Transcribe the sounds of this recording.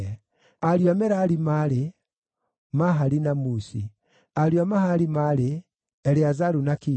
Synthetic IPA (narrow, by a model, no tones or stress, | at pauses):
aɾjamɛɾaɾimaɾe | maɦaɾinamusi | aɾjamahaɾimaɾe | ɛɾeazaɾunaki